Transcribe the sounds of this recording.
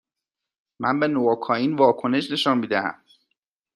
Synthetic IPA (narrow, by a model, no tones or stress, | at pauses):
mænbe̞noːkʰɒːiːnvɒːkʰone̞ʃne̞ʃɒnmiːd̪æhæ̰m